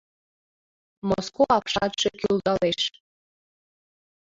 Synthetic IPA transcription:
moskoapʰʂat̪ʂekʲʰyld̪aleʂ

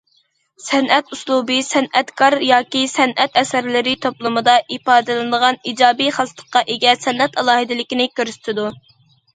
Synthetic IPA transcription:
sɛnʔɛt̪uslˠubɨsɛnɛt̪kʰɑɾjɑːkʲisɛnʔɛt̪ɛsæɾlɪɾɪt̪ʰoplˠɨmɨd̪ɑʔipɑːd̪ɨlˠɨnɨd̪əʁɑnid͡ʒɑːbiχɑzt̪ʰə̥qːɑʔeɡʲɛsɛnɛt̪ɑlˠɑːhɨd̪ɪlɪkʲinɪkʲʰøɾsy̥t̪ʰɪd̪u

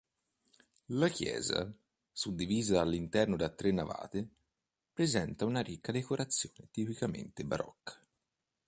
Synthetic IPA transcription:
lakjɛ̰ːza̰ | sud̪ːiviːzaalːint̪ɛrnod̪at̪ːɾenːava̰ːt̪e | pɾezɛnt̪aunaɾikːad̪ekoɾʔat̪sːjoːnet̪ipikamḛnt̪ebaɾɔ̰kːḁ

